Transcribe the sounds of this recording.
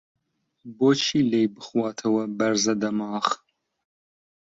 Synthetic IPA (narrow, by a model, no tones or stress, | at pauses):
boːt͡ʃʰiːlejbɨχwɑːt̪ʰɐwɐbɐɾzɐd̪ɐmɑːχ